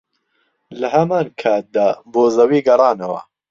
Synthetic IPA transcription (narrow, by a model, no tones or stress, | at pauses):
lɐhɐmaːnkʰaːt̪̚d̪aːboːzɐwiːɡɐrˤɑːnɐwɐ̰